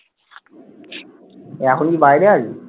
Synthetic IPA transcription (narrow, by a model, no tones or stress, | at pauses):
ɛkʰonkibajlead͡ʑi